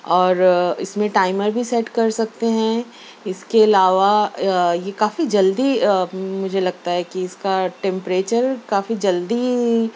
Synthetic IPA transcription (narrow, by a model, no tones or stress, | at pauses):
ɔːɾɪsmẽʈaːɪməɾbʱisɛʈkɐɾsɐk̚t̪eɦɛ̃ | ɪskeɐlaːʋajekaːfid͡ʒɐld̪imʊd͡ʒʱelɐɡ̚t̪aɦɛkiɪskaʈɛ̃mpɾeːt͡ʃəɾkaːfid͡ʒɐld̪i